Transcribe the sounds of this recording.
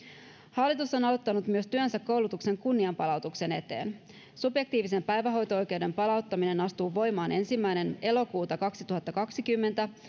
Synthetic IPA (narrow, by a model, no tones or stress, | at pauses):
hɑlːit̪usːo̞nɑlot̪ːɑnut̪myøst̪yønsækːo̞wlut̪ukse̞ŋkunːiɑmpɑlɑwt̪ukse̞ne̞t̪e̞̰ːn | subje̞k̚t̪iːʋise̞mpæjʋæɦo̞jt̪oo̞jk̟e̞wde̞mpɑlɑwt̪ːɑmine̞nɑst̪uːʋo̞jmɑːnʔe̞nsimːæjne̞ne̞lo̞kuːt̪ɑkɑksit̪uɦɑt̪ːɑkɑksikymːe̞nt̪æ